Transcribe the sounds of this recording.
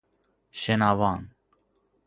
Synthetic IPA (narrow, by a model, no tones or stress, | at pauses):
ʃenɑːvɑːn